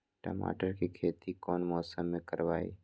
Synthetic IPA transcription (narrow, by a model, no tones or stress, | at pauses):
ʈɔ̰ma̰ːʈəɾkikʰeːt̪ikɔːnmɔːsəmːẽkəɾʋaːḭː